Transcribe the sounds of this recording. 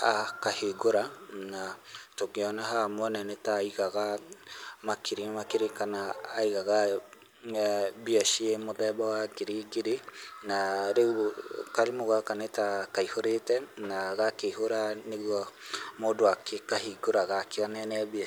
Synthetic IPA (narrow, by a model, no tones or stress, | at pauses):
akaheɡoɾanatokeɔnaɦamwɔnɛnɛtaiɣaɣa | makʰeɾemakeɾekanaːiɣaɣa | biaʃiemoðɛbawakeɾeɡeɾenaɾekaɾemoɣakanetakaihoɾetɛnaɣakeɦoɾaneɣwɔmodoakekaɦiɡoɾaɣakeɔnɛnɛβia